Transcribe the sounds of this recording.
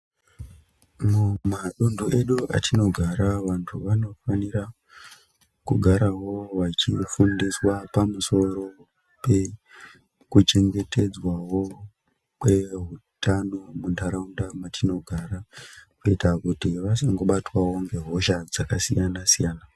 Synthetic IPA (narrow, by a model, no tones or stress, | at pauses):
mumaɗundue̞ɗua̰tʰino̞ɡʱaɾaʋantʰuʋano̞faniɾa | kuɡʱaɾaɦo̞ʋat͡ʃifundiswapamuso̞ɾo̞ | pe̞ | kut͡ʃe̞ŋɡe̞te̞d͡zwawo̞ | kwe̞ɦutanomundaɾaundamatʰino̞ɡʱaɾakuitakutiʋasaŋɡo̞ɓatwawo̞ŋɡe̞ɦo̞ʃad͡zakasijanasijaːna